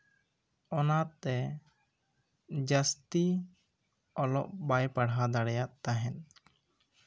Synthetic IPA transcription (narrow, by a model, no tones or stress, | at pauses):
ɔnat̪ɛ | d͡ʒast̪i | ɔlɔʔbajpaɽɦad̪aɽɛjaʔt̪aɦɛn